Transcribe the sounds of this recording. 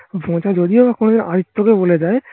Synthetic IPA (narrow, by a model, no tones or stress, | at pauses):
bʱõt͡ʃad͡ʒod̪iobakond̪eɾʔaɾit̪ːokeboled͡ʒae